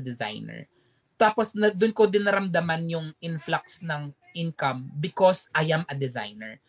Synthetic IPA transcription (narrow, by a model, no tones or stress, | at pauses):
d̪ɛza̰jnɛ̰ɹ | t̪aːposnɐd̪ʊnkod̪ɪnɐɾɐmd̪ɐmanjʊŋʔɪnflak̚snɐŋ | ʔɪnkɐmbɪkosʔɐjamʔɐd̪ɛza̰jnɛ̰ɹ